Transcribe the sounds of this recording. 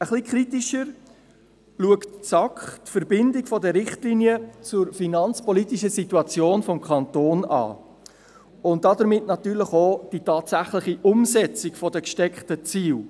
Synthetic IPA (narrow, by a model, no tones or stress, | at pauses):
əχlikχritiʃəɾ | luəktt͡sɑkχtfəɾbɪndɪɡfɔdəɾɪχtliːnijət͡sʊɾfinɑnt͡spɔlitiʃəsituɑt͡sjoːnfɔmkʰχɑntoːnɑ̰ː | ʊnt̚d̥ɑdəɾmɪtnɑtyːɾləχod̥itɑːtsæχləχiʔʊmsɛt͡sɪkfɔdəkʃtɛkχtət͡siːl